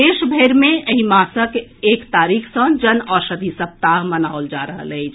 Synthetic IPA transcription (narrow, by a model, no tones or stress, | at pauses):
eːʃbʱeːɾmẽəɦĩmaːsəkeːkt̪aːɾikʰsə̃d͡ʒənɔːɾsəd̪ʱisəp̚t̪aɦmənaold͡ʒaɾəɦə̰ləɪt͡ʃʰ